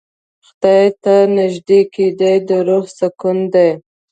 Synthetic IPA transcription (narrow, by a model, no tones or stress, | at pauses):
xt̪ɑjt̪anɪʒd̪eked̪ajd̪əɾohsakund̪aj